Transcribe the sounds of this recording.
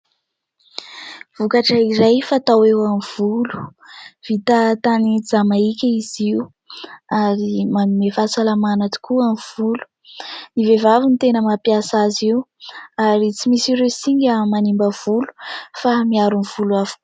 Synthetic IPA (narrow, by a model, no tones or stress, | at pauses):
v̥ukaʈ͡ʂəiɾajfat̪awewamiv̥ulu̥v̥it̪at̪anid͡zamaikʲəiziu | aɾimamimefat͡salamanat̪i̥kuamv̥ulu̥ | nivevavint̪enəmapiasaziuaɾit͡simisiɾesiɲɡəmanimbəv̥ulu̥famiaɾunvuluavu̥ku